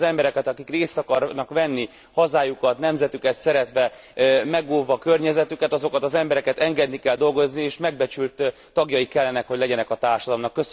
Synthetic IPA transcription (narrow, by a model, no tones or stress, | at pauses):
zɛmbɛɾɛkɛt̪ɒkikreːst̪ɒkɒrnɒkʋɛnːi | hɒzaːjukɒt̪nɛmzɛt̪ykɛt̪sɛɾɛt̪ʋɛ | mɛɡoːlvɒkørɲɛzɛt̪ykɛt̪ɒzo̞kɒt̪ɒzɛmbɛɾɛkɛt̪ɛŋɡɛd̪nikɛld̪o̞lɡo̞znieːʃmɛɡ̚bɛt͡ʃylt̪ː | ɒɡjɒjikɛlːɛnɛkhoɟlɛɟɛnɛkɒt̪aːrʃɒd̪ɒlmnɒkːøs